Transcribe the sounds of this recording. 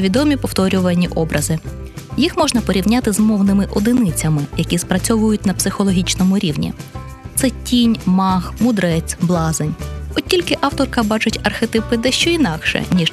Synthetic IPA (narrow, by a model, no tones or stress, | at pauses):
ʋʲid̪ɔmʲipɔwt̪ɔɾʲʊʋɐnʲiʔɔbɾʔɐzɪ | jixmɔʒnɐpɔɾʲiwnʲat̪ɪzmɔwnɪmɪʔɔd̪ɪnɪt͡sʲɐmɪjɐkʲispɾɐt͡sʲɔʋʊjʊtʲnɐpsɪxɔlˠɔɦʲit͡ʃnɔmʊɾʲiwnʲḭt̪sɛtʲinʲmɑxmʊd̪ɾɛt͡sʲblˠɑzenʲɔtʲilʲkɪʔɑwt̪ɔrkɐbɑt͡ʃʊtʲɐrxet̪ɪpɪd̪ɛʃt͡ʃɔinɑkʃɛ̰nʲi